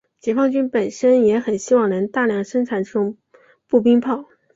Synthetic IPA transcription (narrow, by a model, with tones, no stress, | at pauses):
t͡ɕjɛ˨˩fɑ˥˧ŋt͡ɕy˥npə˨˩nʂə˥njɛ˧˥xə˨˩nɕi˥wɑ˥˩ŋnɤ˧˥ŋt̪a˥˧ljɑ˥˩ŋʂɤ˥ŋʈ͡ʂʰa˨˥nʈ͡ʂɤ˥˩ʈ͡ʂʊ˨˧˦ŋ | pu˥˩p̬i˥ŋpʰɑ˥˩ʊ